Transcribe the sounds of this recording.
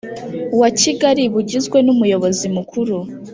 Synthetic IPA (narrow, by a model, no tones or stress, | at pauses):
waciɡaɾiβuɟizɡwe̞numujo̞βo̞zimukuɾu